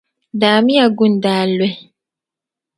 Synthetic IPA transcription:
daː˨mi˦a˨ɡũ˦ndaː˨lwɛ˦˨

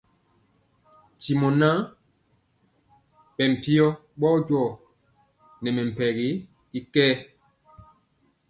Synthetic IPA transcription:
ti˨mɔ˨na˦ | ɓɛ˨m̩˨pi˦ɔ˦ | ɓɔ˦ɟwɔ˦˨ | nɛ˨mɛ˨m̩˨pɛ˨ɣi˦ | i˦kɛː˦

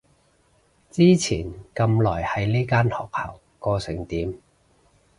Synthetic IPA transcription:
t͡siː˥t͡sʰiː˨˩nkɐ˧mlɔː˨˩jhɐ˨jliː˥kaː˥nhɔː˨˩k̚hɐ˨˩w | kɔː˧sɪ˨˩ŋt̪iː˨˥m

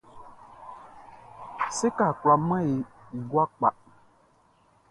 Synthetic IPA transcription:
se˦ka˨kwla˨mã˦je˨ | i˨ɡwa˦k͡pa˨

